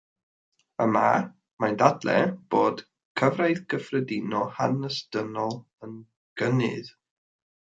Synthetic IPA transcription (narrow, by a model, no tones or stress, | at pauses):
əma̰ | majndadlɛ̰b̥oːd̥ | kʰəvrajðɡəfrədɪnɔhanəsd̥ənɔlˠ | ən | ɡ̥ənɨ̰ð